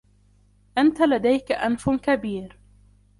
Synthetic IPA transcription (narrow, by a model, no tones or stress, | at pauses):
ʔant̪alad̪ajkaʔanfkabiːɾ